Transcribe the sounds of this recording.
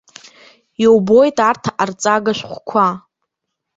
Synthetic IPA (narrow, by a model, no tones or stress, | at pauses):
jowbo̞jtʼartʰaʔart͡sʼaɡaʃʷᶣχʷkʷʰa